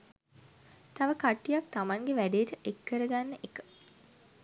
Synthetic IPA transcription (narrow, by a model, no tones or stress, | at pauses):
t̪aʋəkaʈːijak̚t̪amaŋɡeʋæɖeːʈəʔekːəɾəɡanːəʔekə̥